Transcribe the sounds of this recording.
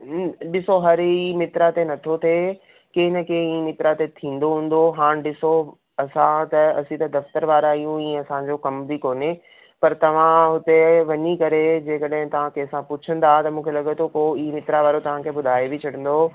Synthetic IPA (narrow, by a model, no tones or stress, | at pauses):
ɗɪsoɦɐɾimɪt̪ɾat̪enɐt̪ʰot̪ʰe | keːnɐkʰẽiːmɪt̪ɾat̪et̪ʰĩːn̆d̪oɦũːn̆d̪oɦaːñɗɪso | ɐsãt̪ɐɐsĩt̪ɐd̪ɐft̪əɾʋaːɾaijũĩːɐsãɲd͡ʑokɐmbʱikoːne | pɐɾt̪ɐʋ̤ãɦʊt̪eʋɐɲikɐɾed͡ʑeːkɐɗɦɪ̃t̪ɐʋ̤ãkeːsãpʊt͡ɕʰə̃nd̪aːɦt̪ɐmũːkʰelɐɠət̪ʰokoːimɪt̪ɾaʋaːɾot̪ɐʋ̤ãkʰeːɓʊd̪ʱaːebɪt͡ɕʰɐɽə̃nd̪o